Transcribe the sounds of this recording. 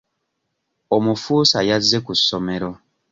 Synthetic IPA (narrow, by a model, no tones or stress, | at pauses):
omufuːsajazːekusːome̞ɾo